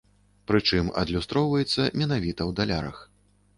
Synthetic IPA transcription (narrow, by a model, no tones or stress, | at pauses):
pɾɨt͡ʂɨmɐ̰d̪lʲust̪ɾɔwvɐjɛt̪sːɐmʲɛnavʲit̪ɐwd̪alʲa̰ɾɐ̰x